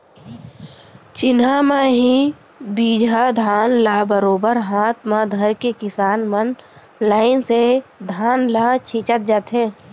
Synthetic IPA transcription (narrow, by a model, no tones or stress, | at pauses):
t͡ʃɪnɦamaɦi | biːd͡ʒʱad̪ʱaːnlaːbəɾoːbəɾɦaːt̪mãd̪ʱəɾkekɪsaːnmən | laːɪnsed̪ʱaːnlat͡ʃʰiːt͡ʃət̪̚d͡ʒaːt̪ɦẽː